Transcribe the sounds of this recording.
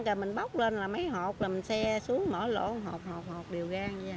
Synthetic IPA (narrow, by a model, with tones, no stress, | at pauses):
ŋkəː˨˩mï˨˩ŋ̟ɓa˦wk͡p̚leː˧nlaː˨˩ma˨˦jɦɔ˨˩k͡p̚laː˨˩mi˨˩ŋ̟sɛ˧su˨˦əŋmə̰ː˧˩lo̰˧˩ɦɔ˨˩k͡p̚hɔ˨˩k͡p̚hɔ˨˩k͡p̚ɗi˨˩əwɣaː˧ŋ˧aː˨˩